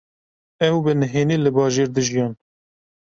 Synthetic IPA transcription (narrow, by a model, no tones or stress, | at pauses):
ɛwbɨnɨɦeːniːlɨbɑːʒeːɾd̪ɨʒijɑːn